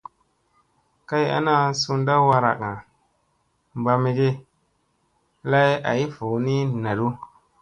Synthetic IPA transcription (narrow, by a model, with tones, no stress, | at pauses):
ka˦ja̰˦na˦su˧˦n˦da˦wa˧ɾa̰˨ka˨ | mba˧mi˧ɡe˦ | la˦ja̰˨i˦fu˨ni˦na˨du˦